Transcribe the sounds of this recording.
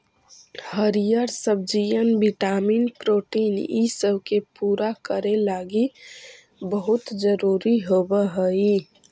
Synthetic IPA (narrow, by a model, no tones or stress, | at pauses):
həɾijəɾsəb̚d͡ʒijənbiʈamiːnpɾoʈiːnisəbʱkepuːɾakəɾelaɡi | bəɦut̪d͡ʒəɾuɾiɦobəɦəi